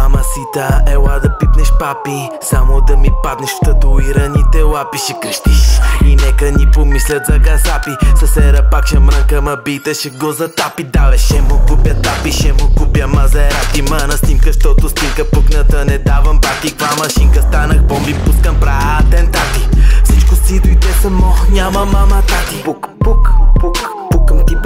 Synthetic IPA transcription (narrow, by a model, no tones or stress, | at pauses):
ɐmɐsit̪aɛwad̪ɐpit̪nɛʃpapi | samod̪ɐmipad̪nɛʃft̪ɐt̪uiɾɐnit̪ɛwapiʃɛkɾiʃt̪iʃinɛkənipomislʲɐt̪zɐɡasapisɐsɛɾɐpakʃɐmɾaŋkɐmɐbit̪ɛʃɛɡɔzɐt̪apid̪avɛʃɛmokupjɐt̪apiʃɛmokupjɐmɐzɛɾat̪imɐnɐsnimkɐʃt̪ɔt̪osnimkəpəknɐt̪ənɛd̪avɐmbat̪ikvamɐʃiŋkɐst̪anɐxbɔmbipuskɐmpɾat̪ɛnt̪apifsit͡ʃkʊsid̪ʊid̪ɛsɐmɔnʲamɐmɐmat̪at̪ippukpu | pukəmt̪i